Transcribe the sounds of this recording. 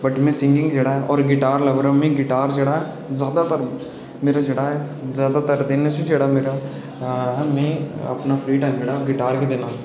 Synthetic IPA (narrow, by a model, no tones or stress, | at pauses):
bɐʈmẽsɪ̃ŋɡɪ̃ŋɡd͡ʒeɽaɦɛʔɔːɾɡɪʈaːɾlɐbɾəmẽɡɪʈaːɾd͡ʒɐɽaɦɛ | zjaːd̪at̪əɾ | meːɾad͡ʒɐɽaɦɛzjaːd̪at̪əɾd̪eːnet͡ʃid͡ʒeɽameːɾa | ɦɐmẽɐ̰pnapʰliːʈãːd͡ʒeɽaɡɪʈaːɾked̪eːnaː